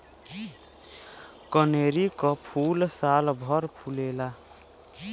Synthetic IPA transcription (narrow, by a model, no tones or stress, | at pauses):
kəneɾikɔpʰulsalbʱɔɾpʰulela